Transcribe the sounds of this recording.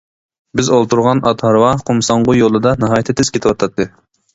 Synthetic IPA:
bɪzolˠt̪ʰuɾʁɑnʔɑt̪hɑɾwɑqʰomsɑɴʁʊjolˠɨd̪ɑnɨɦɑːjt̪ʰɪt̪ʰːɪz̥kʲʰet̪ɪwɑt̪ʰɑt̪ʰːɨ

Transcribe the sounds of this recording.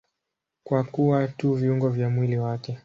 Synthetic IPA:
kwakuwatuviuŋɡɔvjamwiliwakɛ

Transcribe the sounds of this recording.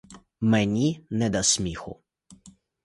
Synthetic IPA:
mɛnʲinɛd̪ɐsʲmʲixʊ̰

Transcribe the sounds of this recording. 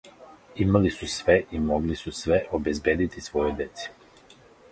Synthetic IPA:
imalisusʋeʔimoɡlisusʋeʔobe̞zbje̞ːd̪it̪isʋo̞jod̪e̞t̪se̥

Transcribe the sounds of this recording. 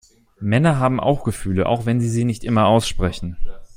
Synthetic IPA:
mɛnɐɦaːbm̩ʔa̰ʊxɡ̥əfyːləʔa̰ʊxv̥ɛnziːziːnɪçtʔɪmɐaʊsʃpʁ̥ɛçn̩

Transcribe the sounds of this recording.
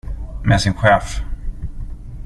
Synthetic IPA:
mɛsɪnɧɛːf

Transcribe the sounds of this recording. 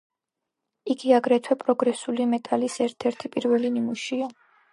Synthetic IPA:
iɡiaɡɾɛt̪ʰwɛpʼɾɔɡɾɛsulimɛt̪ʼalisɛɾt̪ʰɛɾt̪ʰipʼiɾvɛlinimuʃia

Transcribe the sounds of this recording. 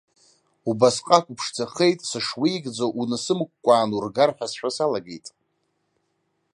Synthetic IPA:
ubasqʼakʷʼʊpʰʂt͡sʰaχe̞jtʼsɨʂwijɡd͡zowʔunɨsɨmkʷʼkʷʼaːnurɡarħʷᶣasħʷᶣasalaɡḛjtʼ

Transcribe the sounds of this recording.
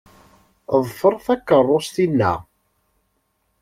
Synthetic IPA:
ðˤfəɾˤθækːərˤːost̪inːæ̰

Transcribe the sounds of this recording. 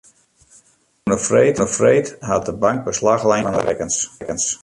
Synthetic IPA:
nəfrejtəəfrejtɦat̚dəbaŋk̚bəslaxlɛjanə̰rɛ̰kənskəns

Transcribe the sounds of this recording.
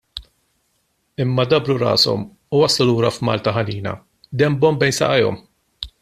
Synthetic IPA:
ɪmːɐd̪ɐbɾʊɾɐ̰ːsɔ̰m | ʊwɐsluluːɾɐfmɐ̰ːlt̪ɐɦɐniːnɐ̰ | d̪ɛmbɔmbɛjnsɐ̰ʔɐjɔ̰m

